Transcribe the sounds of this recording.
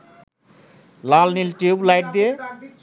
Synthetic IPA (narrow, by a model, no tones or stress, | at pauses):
lalnilʈeblajʈ̚d̪ie